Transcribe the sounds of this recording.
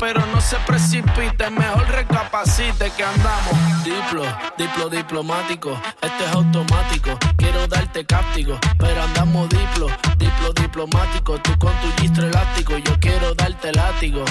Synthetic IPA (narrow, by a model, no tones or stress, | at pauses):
pe̞ɾo̞no̞se̞pɾe̞sipit̪eme̞ho̞lre̞kapasit̪ekeand̪amohd̪iplod̪iploðiplo̞mat̪ikoest̪oesawt̪o̞mat̪ikokje̞ɾo̞ðalt̪e̞kap̚t̪iɣope̞ɾoand̪amoðiplod̪iploðiplo̞mat̪ikot̪ukont̪uʝist̪ɾelat̪ikoʝo̞kje̞ɾoðalt̪elat̪iɣo